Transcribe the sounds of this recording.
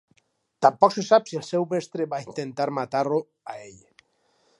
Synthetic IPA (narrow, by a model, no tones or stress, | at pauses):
t̪ampɔksesapsielˠsɛwβɛst̪ɾeβaint̪ent̪aɾmat̪aɾlo | aeʎ